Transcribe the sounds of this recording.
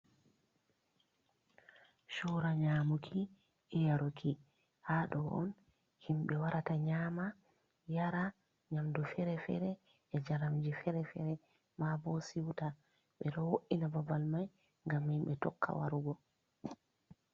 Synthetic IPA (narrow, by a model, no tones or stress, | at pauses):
ʃɔɾaɲaːmukʰi | ɛjaɾokʰi | haɗɔʔɔ̰n | himɓɛwaɾataɲaːma | jaɾa | ɲamdufɛɾɛfɛ̰ɾɛ | ɛd͡ʒaɾamd͡ʒifɛɾɛfɛɾɛ | mabɔsiwta | ɓɛɗɔwoʔinababalmaj | ŋɡamhimɓɛtɔ̰kʰːa̰wa̰ɾuɡɔ